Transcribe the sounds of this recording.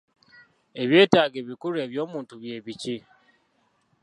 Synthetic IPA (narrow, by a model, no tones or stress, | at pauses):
e̞βje̞ːtaːɡeβikuɾeːβjo̞ːmuːntuβje̞ːβici